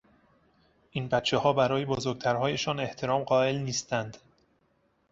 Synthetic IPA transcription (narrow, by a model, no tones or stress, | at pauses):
ʔiːnbæt̪t͡ʃʰːe̞hɒːbæɾɒːje̞bozoɾɡ̚t̪ʰæɾɦɒːje̞ʃɒːne̞ht̪ʰe̞ɾɒːmɢɒːe̞lniːst̪ænd̪̥